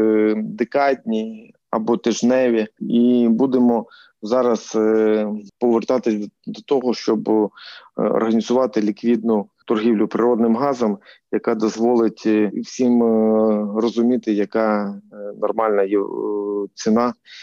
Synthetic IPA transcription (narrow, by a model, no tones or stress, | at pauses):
d̪ɪkɑdʲnʲi | ɐ̰bɔt̪ɪʒnɛʋʲiibud̪emɔ | zɑɾɐz | pɔʋert̪ɑt̪ɪsʲd̪ɔt̪ɔɦɔʃt͡ʃɔb | ɔ̰rɦɐnʲizʊʋɑt̪ɪlʲikʋʲid̪̚nʊt̪ɔrɦʲiwlʲʊpɾɪɾɔd̪̚nɪmɦɑzɐmjɐkɑd̪ɔzʋɔlˠɪtʲwsʲim | rɔzʊmʲit̪ɪjɐkɑnɔrmɑlʲnɐjɛ | t͡ssʲinɑ